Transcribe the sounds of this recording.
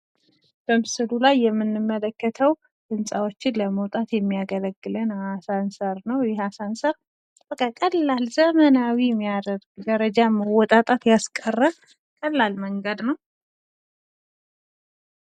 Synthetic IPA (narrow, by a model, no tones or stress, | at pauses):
d̥ombsɨlulajːɛmːɨnːɨmːələkːət̪ʰəw | dɨmsʼawo̞t͡ʃːɪnləməwt̪ʼat̪jɛmːijaɡələɡːɨlənhasansəɾnəwjɛasansəɾ | b̥əkʼakʼəlːalzəmənawimːijad̪əɾɡd̪əɾəd͡ʒaməwɔt̪ʼat̪ʼat̪jaskʼərːə | kʼəlːalməŋɡəd̪nəw